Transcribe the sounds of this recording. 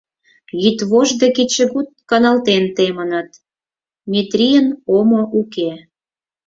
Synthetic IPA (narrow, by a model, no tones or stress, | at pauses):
jit̪βoʒd̪ekit͡ɕəɣut̪̚kɑnɑlt̪ent̪emənət̪ | mʲit̪rʲijənomoʔuke